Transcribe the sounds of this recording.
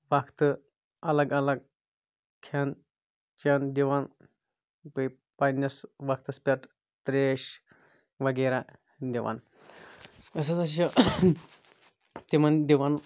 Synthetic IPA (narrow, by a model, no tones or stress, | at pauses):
ʋɐkʰt̪ɨ | ɐlɐɡɐlɐɡ̚ | kʰɐn | t͡ʃɐnd̪iʋan | pɨj | pɐnʲːɐsʋɐkʰt̪ɐspʲɐʈ | t̪ɾeːʃ | ʋɐɡɐɾa | d̪iʋa̰n | ɐs̬ɐsɐʃ̬ɐ | t̪imɐnd̪iʋan